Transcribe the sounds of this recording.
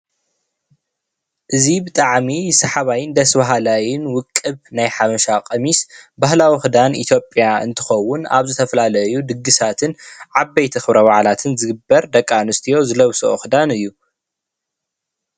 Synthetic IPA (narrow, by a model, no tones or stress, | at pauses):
ʔɨzibɨt̪ʼaʕmisɐħaβajɪnd̪ɐsbaɦalajɪnwʊkʼːɨβnajħamɐʃakʼɐmisbahlawixɨd̪anḭt̪ʰjo̞pʼjaɨ̰nt̪ʰɨ̥xɐwːʊna̰βzɨt̪ʰɐfɐlalɐjud̪ɨɡːɨsat̪ʰɨnʕabːɐjt̪ʰɐxɨβɾɐwaʕlat̪ʰɨnzɨɡɨbːɐɾd̪ɐkʼːanɨst̪ʰijo̞zɨlɐwsooxɨd̪anɨjːu